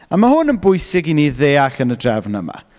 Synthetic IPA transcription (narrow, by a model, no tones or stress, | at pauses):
amahʊnənbʊjsɪɡiniðeːaɬənədrɛvnə̰ma̰